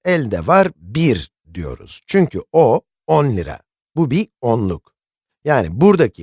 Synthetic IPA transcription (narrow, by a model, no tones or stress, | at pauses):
ɛlʲd̪ɛvaɾbiɾ | d̪ijo̞̰ɾṵz̥t͡ʃʰyɲcʰyo | onlʲiɾa̰ | bubionlˠuk | jaːnibuɾd̪acʰi